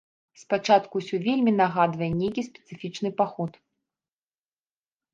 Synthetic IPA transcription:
spat͡ʂat̪kusʲɔvʲelʲmʲinaɣad̪vɐjɛnʲejkʲispʲɛ̥t̪sɨfʲit͡ʂn̪ɨpaxɔt̪

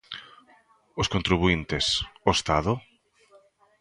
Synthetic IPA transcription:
ʊskont̪ɾiβuint̪ɪsoest̪aðʊ

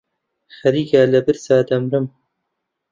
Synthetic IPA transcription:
xɐɾiːɡaːlɐbɨɾsaːd̪ɐmɾɨm

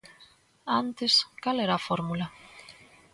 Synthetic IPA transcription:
ant̪eskaleɾaːfoɾmula

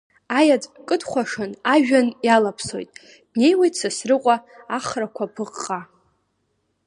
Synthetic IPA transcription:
ajad͡zʼkʼɨdχʷaʂanaʒᶣanjalapʰso̞̰jtʼ | d̥ne̞jwajtʰʼsasrɨqʷʼaaχrakʷʰapʰɨqʼːa

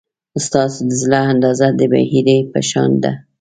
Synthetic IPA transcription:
st̪ɑsod̪əzlaand̪ɑzad̪əba̰hiɾepə̰ʃɑ̰nd̪a̰

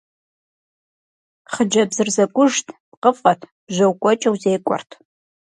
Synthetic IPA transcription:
χəd͡ʒɐbzɨrzɐkʷʼʊʒtʰpqəfqʼɐtʰb̥ʒʷɐwkʷʼɔt͡ʃʼɐwzeːkʷʼɔ̰rtʰ

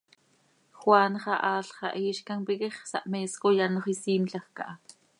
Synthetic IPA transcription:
χwaːnχɑʔaːɬχɑ̰ʔiːʃkanpikeχsa̰ʔmeːskojanoχisiːmɬaxka̰ʔa

